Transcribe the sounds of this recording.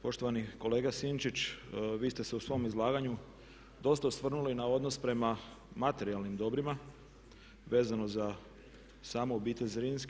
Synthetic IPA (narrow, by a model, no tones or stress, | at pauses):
po̞ʃt̪o̞ʋaniko̞le̞ːɡasint͡ʃit͡ɕʋiːst̪e̞seusʋo̞mizlˠaːɡaɲu | d̪o̞st̪ausʋr̩nulinao̞d̪no̞spɾe̞ma | mat̪e̞ɾialˠnimd̪o̞bɾima | ʋe̞ːzano̞za | saːmoobiːt̪e̞ʎʲzɾinsk